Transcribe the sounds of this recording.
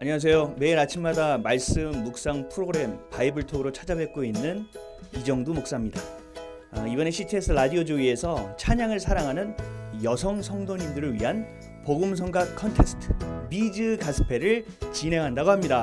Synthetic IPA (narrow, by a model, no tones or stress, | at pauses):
aɲiŋas̬ʰe̞jome̞iɾat͡ɕʰimːmadamaɭs͈ɯmːuk̚s͈aŋpʰɯɾoɡɯɾe̞mpaibɯɭtʰoɡɯɾot͡ɕʰad͡ʑabe̞k̚k͈oinːɯn | id͡ʑʌŋdomok̚s͈amɲida | ibʌne̞ɕʰitʰes͈ʰɯɾadiɦod͡ʑoie̞sʰʌt͡ɕʰaɲaŋɯɭsʰaɾaŋɦanɯnjʌsʰʌŋsʰʌŋdoɲimdɯɾɯɭɥiɦan | poɡɯmsʰʌŋɡakʰʌntʰe̞sʰtʰɯ̥mid͡ʑɯkasʰɯ̥pʰe̞ɾɯɭ | t͡ɕinɦe̞ŋɦandaɡoɦamɲida